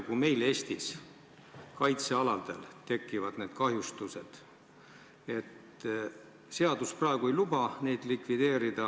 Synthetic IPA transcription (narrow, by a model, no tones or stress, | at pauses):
kume̞jle̞ːst̪is | kɑjt̪se̞ɑlɑd̪e̞lt̪e̞kˑːivɑd̪̥ne̞ːd̪̥kɑɦjust̪use̞d̪̥ | e̞t̪ | se̞ɑd̪usprɑeɡ̥uejlub̥ɑne̞jd̪̥likvid̪e̞ːɾid̪̥ɑ